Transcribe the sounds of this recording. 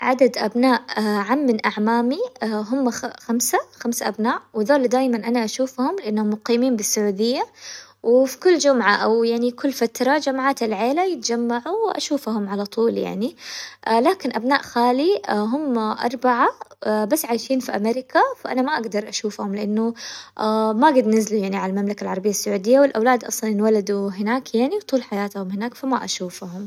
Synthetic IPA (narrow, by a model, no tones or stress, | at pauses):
ʕad̪ad̪ʔabnaːʔʕamːɪnʔaʕmaːmiɦʊmːxamsaxamsaʔabnaːʔwɪðoːld̪aːjmanʔanaʔaʃuːfhʊmlɪʔanːhʊmːʊqiːmiːmbɪsːʊʕuːd̪ɪjːa | wɪfi̥kʊlːd͡ʒʊmʕaʔawjaʕnikʊlːfat̪ɾˤɑd͡ʒamʕaːt̪ɪlʕeːlajɪt̪d͡ʒamːaʕuwʔa̰ʃuːfhʊmʕalat̪ˤuːlja̰ʕni | laːkɪnʔabnaːʔxaːliɦʊmːʔɑ̰ɾˤbaʕabasːʕaːjʃiːnfiʔameɾɪkafaʔa̰namaʔaɡd̪ɑɾˤʔaʃuːfhʊmlɪʔanːʊamaɡad̪nɪzlujaʕniʕalalmamlakalʕɑɾˤɑbɪjːasːaʕuːd̪ɪjːawɪlʔawlaːd̪ʔɑ̰sˤliːnwalad̪uɦɪnaːkjaʕniwt̪ˤuːlħajaːt̪hʊmhɪnaːkfama̰ʔaʃuːfhʊm